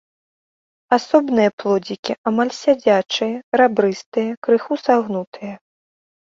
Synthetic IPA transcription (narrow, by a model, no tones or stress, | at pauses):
asɔbnɨjɐplˠɔd͡zʲikʲiʔamalʲsʲad͡zʲat͡ʂɨjɐɾabɾɨst̪ɨjɐkɾɨxusaɣnut̪ʰɨjɐ